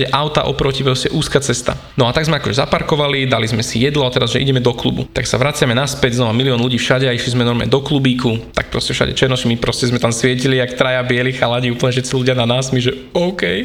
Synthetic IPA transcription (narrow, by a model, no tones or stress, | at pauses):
ɛʔaʊt̪a̰ʔɔpɾɔcipɾɔscɛʔuːskat͡sɛst̪a̰ | nɔat̪aɡzmɛakɔʒɛzapaɾkɔʋalid̪alizmɛsijɛd̪lɔat̪ɛɾazʒɛʔḭɟɛmɛd̪ɔklṵbṵt̪aksaʋɾat͡sɪamɛnaspɛɟznɔʋamiliɔnluɟiːfʃaɟɛaiʃlizmɛnɔɾmɛ̰d̪ɔklubiːkut̪a̰k̚pɾɔscɛfʃa̰ɟɛ̰t͡ʃɛɾnɔsimipɾɔscɛzmɛt̪amsʋɪɛciliakt̪ɾajabɪɛlixalaɟiuːpl̩ɲɛfʃɛt̪t͡siluɟɪananaːsmiʒɛ | ɔʊkɛj